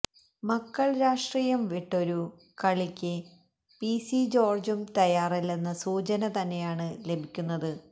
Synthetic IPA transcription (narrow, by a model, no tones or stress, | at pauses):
mɐkːɐɭɾaːʂʈriːjɐmʋiʈːo̞ɾu | kɐɭikʲːɨ | pisid͡ʑo̞ːrd͡ʑumt̪ɐjaːrilːenːɐsuːt͡ɕɐnɐt̪ɐnːe̞jaːɳɨle̞bʱikʲːunːɐðɨ